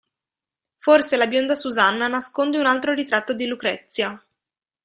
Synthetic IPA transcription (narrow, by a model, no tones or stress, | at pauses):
forselabjond̪asuzanːanaskond̪eunalt̪ɾoɾit̪ɾat̪ːod̪ilukɾɛt̪sːja